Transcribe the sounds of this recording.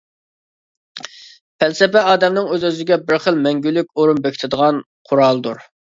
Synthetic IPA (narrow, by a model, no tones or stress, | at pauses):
pʰælsɛpɛɑːd̪ɛmnɪŋøzøzɪɡʲɛbɪɾχəlˠmɛŋɡʲylːykʲoɾunbekʲi̥t̪ʰɪd̪əʁɑn | qʰʊɾɑlˠd̪uɾ